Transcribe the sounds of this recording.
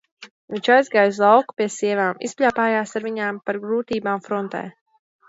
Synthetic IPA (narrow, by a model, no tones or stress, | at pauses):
viɲʲt͡ʃajzɡaːjs̬lˠawku̥piɛsiɛvaːmḭspʲlʲaːpaːjaːsaɾviɲaːmpaɾɡɾuːt̪iːbaːmfɾɔnt̪ɛ̰ː